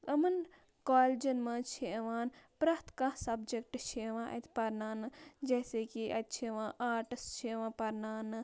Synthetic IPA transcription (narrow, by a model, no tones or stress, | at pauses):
ɐmɐn | kaːld͡ʒɐnmãːt͡ʃʰeʋaːnpɾɐht̪kãsɐbd͡ʒek̚ʈt͡ʃʰeʋãːʔɐ̰t̪ʰpɐɾnaːnɨd͡ʒɐːseːkiʔɐt̪̚t͡ʃʰeʋãːʔaːɾʈɨst͡ʃʰeʋãːpɐɾnaːnɨ